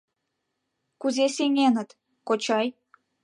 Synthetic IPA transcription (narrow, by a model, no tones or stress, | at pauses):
kuzeseŋʲenə̆t̪ | kot͡ɕɑj